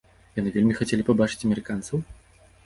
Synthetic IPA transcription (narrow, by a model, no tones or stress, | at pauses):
janɨvʲelʲmʲixat͡sʲelʲipabat͡ʂɨ̥t͡sʲɐmʲɛɾɨkant̪sɐw